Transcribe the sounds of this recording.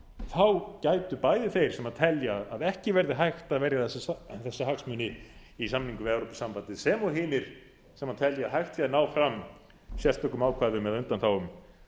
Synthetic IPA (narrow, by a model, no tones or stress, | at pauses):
θawcaːjt̪ʏpaːjðɪθejɾ̥sɛmaðt̪ʰɛljaðaðɛhcɪvɛɾðɪɦajxt̪aðvɛɾjaθɛsːaθɛsːaɦaksmʏnɪisamniŋkʏvɪɛwɾopi̥sampant̪ɪðsɛmɔɦɪːnɪɾ̥ | sɛmaðt̪ʰɛljaaðɦajxt̪aðnaːwfɾam | sjɛlt̪œkːʏmaːwkʰvaːðʏmɛðʏnt̪anθawʏm